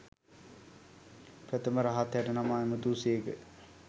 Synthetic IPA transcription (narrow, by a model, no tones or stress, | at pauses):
pɾæt̪əməɾaɦat̪hæʈənamaːemət̪uːseːkə